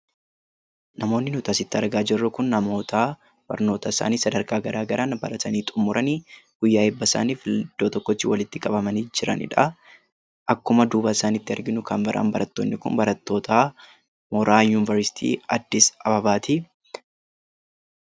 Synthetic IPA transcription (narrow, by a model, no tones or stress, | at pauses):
nɐmo̞ːnːɪnʊt̪ɐsɪt̪ːɪɐɾɡaːd͡ʒɪrːʊkʊnːɐmo̞ːt̪a | b̥ɐ̰ɾno̞ːt̪ɐɪsa̰ːniːsɐd̪ɐɾkaːɡɐɾʔaːɡɐɾʔaːnbɐɾɐt̪ʰɐniːt̪ʼʊmːʊɾʔɐniːɡ̥ʊjːaːɪbːɐɪsa̰ːniːfɪld̪̥ːoːt̪ɔkːɔt͡ʃːɪ̰wɐlɪt̪ːɪkʼɐbɐmɐniːd͡ʒɪɾɐ̰nɪ̰ᶑɐ | ʔɐkːʊmɐd̪uːbaːɪsaːnɪt̪ːɪɐɾɡɪnʊkʰɐnbɐɾʔa̰ːnbɐɾʔɐt̪ːoːnːɪkʊ̰nbɐɾɐt̪ːo̞ːt̪ʰa | mɔɾaːjuːnɪvɐɾsɪ̥t̪ʰḭːɐd̪ːɪsɐbɐbaːt̪iː